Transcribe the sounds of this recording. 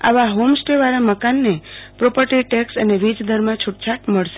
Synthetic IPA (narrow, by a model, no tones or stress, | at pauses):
a̰ʋaɦomsʈeʋaɾaməkanːepɾopəɾʈiʈeksəneʋid͡ʒd̪ʱəɾmãt͡ʃʰʊʈt͡ʃʰaʈməɭʃe